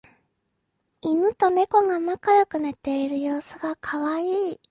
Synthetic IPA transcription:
imɯ̟t̪o̞ne̞ko̞ŋamakajokɯ̟ne̞t̪e̞iɾɯ̟jo̞ːsɨɡakʰaβaiː

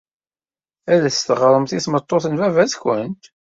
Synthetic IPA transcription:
æðæst̪əʁɾˤəmθiθmət̪ˤːoθənvævæzkʷənt̪

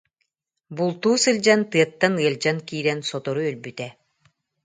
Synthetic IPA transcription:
bulˠt̪uːsɯld͡ʑant̪ɯɐt̪ːanɯɐld͡ʑankiːɾɛnsɔt̪ɔɾuœlbyt̪ɛ

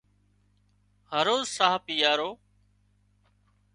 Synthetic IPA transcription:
həɾoːzsaːpiːjaːɾoː

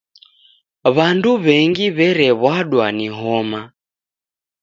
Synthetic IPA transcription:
βanduβɛŋɡiβɛɾɛβwaɗwaniɦɔma

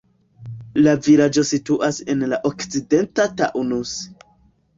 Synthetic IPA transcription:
laviɾad͡ʒo̞situʔase̞nlaʔokt͡side̞ntata̰ʔunus

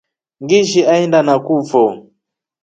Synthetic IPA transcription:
ŋɡiʃiʔaɛndanakuːfɔ

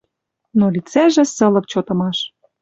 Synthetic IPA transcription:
nolit͡sæʒĕsɤ̆lɤ̆k̚t͡ɕot̪ɤ̆mɑʃ

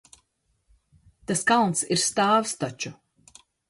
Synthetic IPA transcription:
t̪askalˠnt̪siɾst̪aːwst̪ɔt͡ʃu

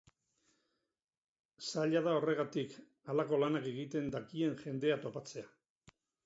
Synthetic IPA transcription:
saʎaðao̞re̞ɣ̞at̪ik | alako̞lanake̞ɣit̪e̞nd̪akie̞nʝe̞nd̪e̞at̪o̞pat͡se̞a

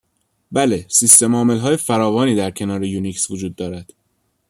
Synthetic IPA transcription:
bæle̞sist̪e̞mɒːme̞lɦɒːjefæɾɒːvɒːniːd̪æɾcʰe̞nɒːɾejuniksvod͡ʒuːd̪̚ːɒːɾæd̪̥

